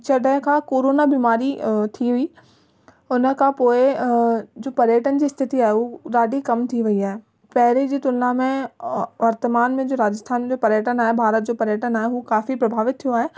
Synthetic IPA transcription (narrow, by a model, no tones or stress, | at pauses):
t͡ɕɐɖə̃kʰãkoːɾoːnabiːmaːɾit̪ʰiɦʊi | ʊnə̆kʰãpoːɪ | d͡ʑoːpɐɾjəʈənd͡ʑiːst̪ʰɪt̪iaːɦeuɾaːɖikɐmt̪ʰiʋɐiaːɦe | pɛɦɪɾid͡ʑiːt̪ʊlnamẽʋɐɾt̪əmaːnmẽd͡ʑoːɾaːd͡ʑəst̪ʰaːnd͡ʑoːpɐɾjəʈənaːɦebʱaːɾət̪̚d͡ʑoːpɐɾjəʈənaːɦeɦukaːfipɾɐbʱaːʋɪt̪t̪ʰːijoaːɦeː